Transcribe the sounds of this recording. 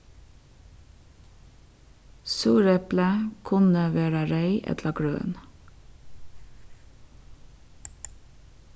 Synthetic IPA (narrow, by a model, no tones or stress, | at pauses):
suːɾɛpləkʰʊnəʋæːɾəɾæɪʔɛ̰t̪lɑɡɹø̰ːn